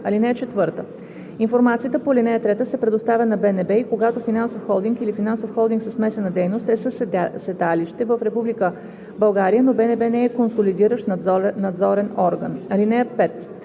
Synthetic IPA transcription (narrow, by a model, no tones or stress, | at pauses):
ɐlinɛɛt͡ʃɛt̪vɤɾt̪ə | infoɾmat̪sijət̪əpolinɛət̪ɾɛt̪əsɛpɾɛd̪ost̪avʲənɐbɛnɛbɛikoɡat̪ofinansofxɔlˠd̪iŋkilifinansofxɔlˠd̪iŋksəsmɛsɛnəd̪ɛjnost̪ɛsəsɛd̪aliʃt̪ɛvəfɾɛpublikə | bɐlˠɡaɾijənobɛnɛbɛnɛɛkonsolid̪iɾəʃt̪nnːɐd̪zɔɾɛnɔɾɡə̰nɐlinɛɛpɛt̪